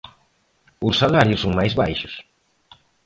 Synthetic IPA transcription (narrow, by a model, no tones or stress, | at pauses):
ʊsːalaɾjʊsːõŋ̃majzβajʃʊs